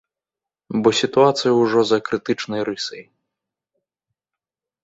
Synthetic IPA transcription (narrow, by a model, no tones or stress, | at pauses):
bɔsʲit̪uat̪sɨjɐwʐɔzɐkɾɨt̪ɨt͡ʂnɐjɾɨsɐj